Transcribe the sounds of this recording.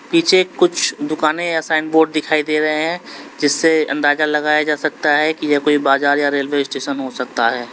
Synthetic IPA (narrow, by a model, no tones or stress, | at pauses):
piːt͡ʃʰekʊt͡ʃʰd̪ʊkaːneasaːɪnɖboːɖ̚d̪ɪkʰaːid̪eːɾɐɦeɦɛ̃d͡ʒɪsːeɐ̰̃nd̪aːzalɐɣaːjad͡ʒaːsɐk̚t̪aɦɛkijekoːibaːzaːɾjaɾeːlweɪsʈeːʃənɦosɐk̚t̪aɦɛː